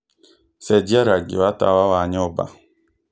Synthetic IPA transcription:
sɛdiaɾaɡḭwata̰wawaɲɔba̰

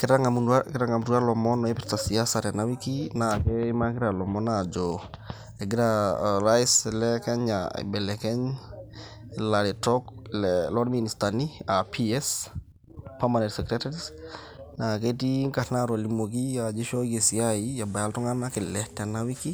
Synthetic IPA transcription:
kɪɾaŋamukɪɾaŋamuɾualɔmɔnɔepiɾtasiasaɾanawikinakemakiɾalɔmɔnad͡ʒɔ | eɡiɾaɾaislɛkɛɲa̰bɛlɛkɛɲ | laɾitɔkllɔɾministaniapʰiɛs | pamanɛtsɛkɾɛtaɾis | naketiŋkahnaɾolimok̬ijad͡ʒeʃoɡesiaijabajaltɔŋanakelɛtanawiki

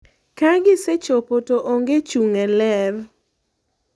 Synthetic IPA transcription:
kaɡɪset͡ʃopotoʔoŋɡet͡ʃuŋɛlɛv

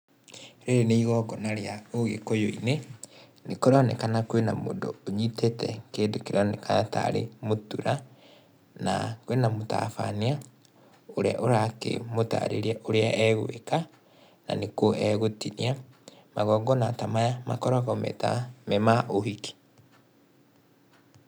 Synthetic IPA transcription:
ɾeɾeneiɣɔɡɔnaɾeaoɣekojoine | nekoɾanɛkanakwenamo̰ːndo̰ːɲitetɛkeːndokeɾɔnekanata̰ɾḛmotuɾa | na̰kwenamota̰fa̰nia | oɾea̰ʔoɾakḛmota̰ɾeɾɛʔoɾeaʔɛɣoeka | na̰nekoɛɣotiniamaɣɔːɡɔnatamajama̰kɔɾɔɣɔmɛ̰tamɛmaʔohiki̥

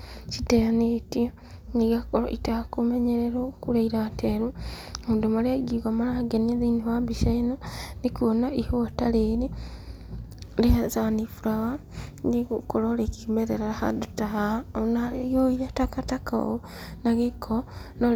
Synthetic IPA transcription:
t͡ʃiteanetio | niɡakoɾo̰ʔitahakumeɲeɾeɾokuɾaiɾateɾumoːndomaɾeaiɡiɣamaɾahaɡeniaðiniβambiʃananikuonaihuataleɾi | leazanifuɾaɣa | niɣukoɾoɾekimeɾeɾaɾaha̰dutaɦaonajoiɾatakataka̰o̰ | naɣekʰono

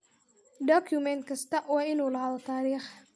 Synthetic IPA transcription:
dɔkʰjʊmɛnt̪̚kʰɐst̪ʰɐʔwɑːɪnuːlɐɦɐlt̪ʰaːɾiːχ

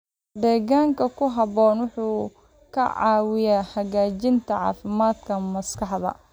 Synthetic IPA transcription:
d̪ɛːɣaːŋkʰɐkʰʊɦɐβɔːnwʊħuː | kʰɐ̰ʕɑ̰ːwɪjaːhɐɣaːt͡ʃɪnt̪ʰɐʕɑ̰ːfɪmaːd̪kʰɐmɐskʰɑħðɐ̰

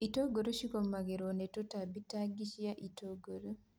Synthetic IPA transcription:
itoɡoɾoʃikɔmaɡɛɾonɛtotabitaɡiʃijaʔitoɡoɾo

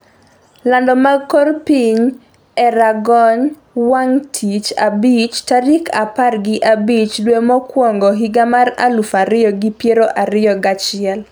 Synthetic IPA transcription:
landɔmakorpiɲ | ɛɾaɡɔɲ | waŋtʰit͡ʃa̰bit͡ʃtaɾikʰaparɡɪʔabit͡ʃlwemɔkwɔŋɡɔɦiɡamara̰lufaɾɪjɔɡipjeɾoʔaɾɪjɔɡat͡ʃɪɛl

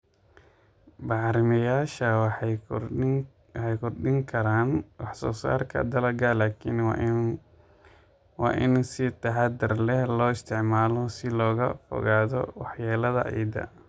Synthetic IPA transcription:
bɑʕɾɪmɐjaːʃɐwɑħ | ħɛjkʰɔrɖɪŋkʰɐɾaːnwɑħsɔ̰ːsa̰ːrkʰɐ̰d̪ɐlɐɡalaːkʰin | wɑ̰ːʔɪnsɪt̪ʰɐħɑd̪ɪrlɛhlɔːɪst̪ʰɪʕmaːlɔsɪlɔːɣɐfɔ̰ɣaːðɔ̰wɑħjaːlɐðɐ̰ʔɛ̰jd̪ɐ̰

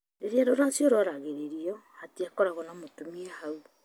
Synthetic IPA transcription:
neɾeaɾoɾasjoɾɔɾaɣeɾeɾiɔhatiakɔɾaɣɔnamotomiɛhau

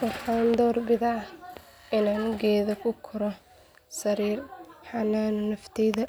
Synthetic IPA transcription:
wɐrħaːnd̪ɔːrbɪðaʕ | ɪnaːnɡɛːðɐkʰʊkʰʊɾɔ | sɐɾiːrħɑnaːnnɐft̪ʰɛjðɐ

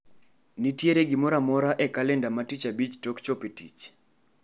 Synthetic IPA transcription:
nitjeɾeɡɪmɔɾamɔɾaʔɛkalɛndamatit͡ʃabit͡ʃtokt͡ʃopitḭt͡ʃ

